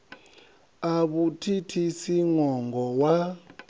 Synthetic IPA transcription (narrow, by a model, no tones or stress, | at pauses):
aɓutʰitʰisiŋɔŋɡʱɔwa